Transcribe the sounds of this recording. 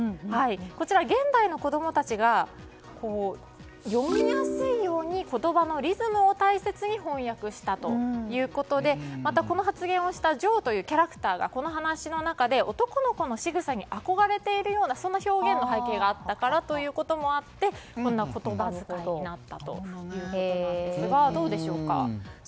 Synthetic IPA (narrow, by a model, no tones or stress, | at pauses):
haiko̞t͡ɕiɾaɡẽ̞nd̪aino̞ko̞d̪o̞mo̞t̪at͡ɕiɡa | ko̞ː | jo̞mʲiɲiasɨijo̞ːɲ̟iko̞t̪o̞bano̞ɾʲizɨmɯ̟o̞t̪aise̞t͡sɨɲ̟ihõ̞ɰ̃jakɯ̟ɕi̥t̪at̪o̞̰jɯ̟ːko̞t̪o̞d̪e̞mat̪ako̞no̞ɦat͡sɨɡẽ̞ɰ̃o̞ɕi̥t̪aʑo̞ːt̪o̞jɯ̟ːkʲaɾakɯ̟̥t̪aːɡa̰ko̞no̞ɦanaɕino̞nakad̪e̞o̞t̪o̞kono̞ko̞no̞ɕiɡɯ̟saɲ̟iʔako̞ɡaɾe̞t̪e̞iɾɯ̟jo̞ːnaso̞nːaço̞ːɡẽ̞nːo̞ɦaike̞ːɡaːt̪ːakaɾat̪o̞jɯ̟ːko̞t̪o̞mo̞at̪ːe̞kõnːako̞t̪o̞bazɨkaɲinat̪ːat̪o̞̰jɯ̟ːkoonãdesɨɡad̪o̞ːd̪e̞ɕo̞ːka̰